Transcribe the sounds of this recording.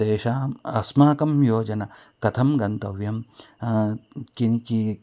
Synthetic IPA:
eːʃaːmɐsmaːkɐmjoːd͡ʒɐnɐ | kɐt̪ʰɐmɡɐnt̪ɐʋjɐm | kiki

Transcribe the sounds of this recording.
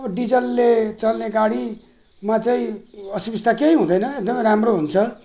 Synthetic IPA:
ɖid͡zʌlːet͡sʌlneɡaɽi | mat͡sʌĩʌsibist̪ʰakeĩɦũd̪ʌjnʌek̚d̪ʌmʌjɾamroɦunt͡sʰʌ

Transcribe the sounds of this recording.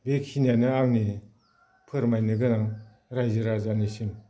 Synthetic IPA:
bekʰinijanɯaŋni | pʰɯɾmajnɯɡɯnaŋ | ɾajzɯɾazanisim

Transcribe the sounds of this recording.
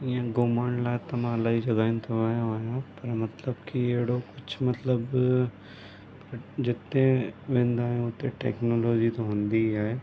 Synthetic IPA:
jãɡomaɳlaːt̪ːɐmãːlaːid͡ʒɐɡaːɪ̃nt̪ʰoʋaːjãaːjãpɐɾmɐt̪ləbkieːɽokʊt͡ʃʰmɐt̪ləb | pɐɾd͡ʒɪt̪nẽʋẽːnd̪aːẽʊt̪ẽʈḛːknoːloːd͡ʒit̪oɦõːnd̪iɦɛe

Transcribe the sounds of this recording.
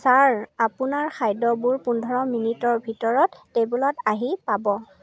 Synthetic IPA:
saɹapunaɹxʰajdɔbuɹpundʱɔɹɔminitɔɹbʱitɔɹɔtːebulɔtaɦipabɔ

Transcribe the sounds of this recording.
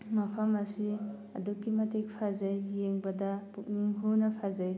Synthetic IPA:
mapʰamɐsi | ɐ̰dukːimɐtek̚pʰazajːeŋbɐdɐpuk̚niŋɦunɐpʰazaj

